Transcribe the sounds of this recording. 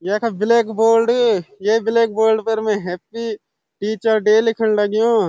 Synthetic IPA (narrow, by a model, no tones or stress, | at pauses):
jeːkʰabɪleːkboːlɖjebɪleːk̚boːɾɖpɐɾmɛ̃ɦɛːpːi | ʈiːt͡ʃəɾɖeːlɪkʰənlɐɡjũː